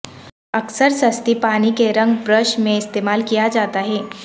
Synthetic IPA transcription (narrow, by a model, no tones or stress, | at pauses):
əksəɾsəst̪ipañikeɾəŋɡbɾəʃmẽɪst̪emalkijad͡ʒat̪aɦe